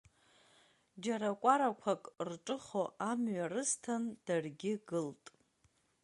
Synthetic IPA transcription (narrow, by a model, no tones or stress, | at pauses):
d͡ʒaɾakʷʼaɾakʷʰakʼrʈ͡ʂʼɨχoʔamɥarɨstʰand̥arɡʲɪɡɨltʼ